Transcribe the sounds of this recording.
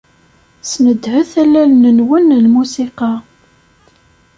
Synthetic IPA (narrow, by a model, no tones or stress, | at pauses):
snəd̪ːhəθælːælnənwənlmusiqɑ